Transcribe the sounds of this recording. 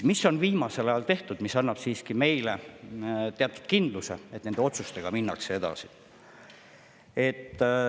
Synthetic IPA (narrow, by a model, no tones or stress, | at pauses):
misːo̞nviːmɑse̞lɑjɑlt̪e̞ht̪ud̪̥misɑnːɑb̥siːskime̞jle | t̪eɑt̪ːˑu̥d̪̥̚kind̪̥luse̞̰et̪nend̪̥eo̞t̪sust̪e̞ɡ̥ɑminːɑksee̞d̪̥ɑ̰si | e̞t̪ːˑ